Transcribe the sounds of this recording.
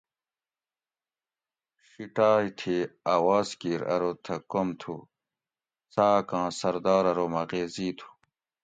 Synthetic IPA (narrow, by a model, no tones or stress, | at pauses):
ɕiʈaːit̪ʰeaːwaːzkiːɾɐ̰ɾot̪ʰɐkomt̪ʰu | saːkãːsɐɾd̪ɑːɾɐɾomɐɣeːziːt̪ʰu̥